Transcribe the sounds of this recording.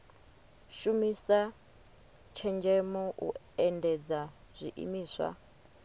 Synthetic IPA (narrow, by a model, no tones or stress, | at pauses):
ʃumisa | t͡ʃʰɛnd͡ʒɛmɔʔṵ | ɛndɛd͡za | z̥ʷḭʔḭmiːswa̰